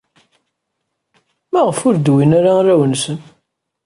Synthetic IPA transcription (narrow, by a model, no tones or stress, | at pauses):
mæʁəfʊɾd̪winaɾaræwənsən